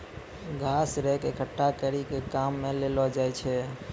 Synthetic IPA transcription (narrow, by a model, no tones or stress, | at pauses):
ɡʱasɾɛɦkekʰəʈːakəɾikekamːelelɔd͡ʒajt͡ʃʰɛ